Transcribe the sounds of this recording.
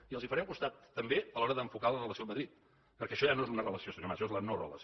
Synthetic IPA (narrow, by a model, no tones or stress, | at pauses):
iəlˠzifəɾɛmukust̪at̪ːəmbeəlɔɾəðəɱfukalərələsioməðɾit̪̚ | pəɾkɛəʃɔjanoezunərələsiosəɲomaʃezlənorə̰lə̰s